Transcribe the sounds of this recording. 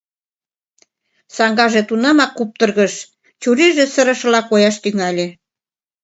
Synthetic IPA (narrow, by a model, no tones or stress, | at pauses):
sɑŋɡɑʒet̪unɑmɑkːup̚t̪ə̆rɣəʃ | t͡ɕuɾiʒĕsəɾə̆ʃə̆lɑkojɑʃt̪yŋælʲe